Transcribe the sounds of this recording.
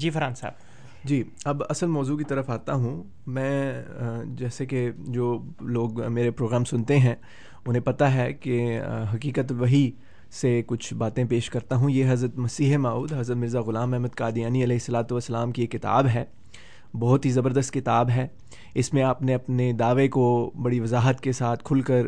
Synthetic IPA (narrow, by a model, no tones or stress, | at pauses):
d͡ʒiːfɐɾãːnsa̰ːb | d͡ʒiːɐbɐsəlmɔːzukit̪ɐɾəfaːt̪aɦũ | mɛ̃ː | d͡ʒɛːseked͡ʒoːloːɡmeːɾepɾoːɡɾaːmsʊnt̪eɦɛ̃ | ʊnɦẽpɐt̪aɦɛkeɦɐkiːkət̪lʋɐɦi | sekʊt͡ʃʰbaːt̪ẽpeːʃkɐɾt̪aɦũjeɦɐzɾət̪mɐsiːɦemaːuːd̪ɦɐzɾət̪mɪɾzaɣʊlaːmɛɦməd̪̚kaːd̪ijaːniɐlɛːɦɪsːɐlaːt̪uʋɐsːəlaːmkiekːɪt̪a̰ːbɦɛː | bɔɦʊt̪ɦizɐbəɾd̪əst̪̚kɪt̪aːbɦɛː | ɪsmẽɐpneɐpned̪aːʋekobɐɽiʋɐzaːɦət̪kesaːt̪ʰkʰʊlkɐɾ